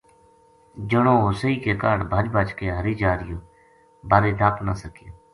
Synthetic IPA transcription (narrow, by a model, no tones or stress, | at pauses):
d͡ʒəɽõːoːsiːkeːkaːɽbʱəd͡ʒbʱaːt͡ʃkeːɦəɾiːd͡ʒaːɾɪjoː | baːɾeːd̪ʱaːpnaːsəkɪjoː